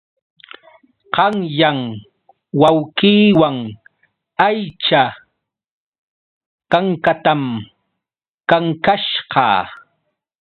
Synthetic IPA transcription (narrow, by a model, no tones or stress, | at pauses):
qɑŋjaŋ | wawkiːwaŋ | ajt͡ʃa | kaŋkat̪am | kaŋkaʃɢɑ̰ː